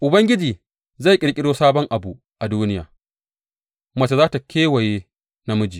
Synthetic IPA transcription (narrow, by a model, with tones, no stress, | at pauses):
ʔʊ˨bɐ˦ŋɡʲɪ˦d͡ʒiː˨ | za˦˨kʲʼɪ˨ɽkʲʼɪ˦ɽoː˦saː˦bɔ˦ŋʔa˨bu˨ʔ | ʔa˨duː˦nɪ˦ja̰ː˨ | mɐ˦t͡ʃa˨zaː˦ta˨kʲʰeː˦wɐ˨jeː˦ | na˦mʊ˦d͡ʒiː˨